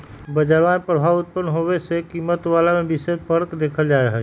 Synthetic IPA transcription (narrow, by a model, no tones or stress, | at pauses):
bəd͡ʒaɾʋãẽpɾəbʱaːʋʊt̪̚pənɦoʋesekimət̪ʋaːlamẽbɪsed̪̚pəɽkd̪eːkʰəld͡ʒaːeɦə